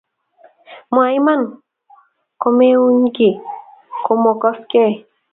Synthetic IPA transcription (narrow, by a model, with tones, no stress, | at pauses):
mwa˨i˦ma˦˨n | ko˧me˦u˦ɲɡɪ˨ko˧mɔ˨kɔ˦skɛ˦˨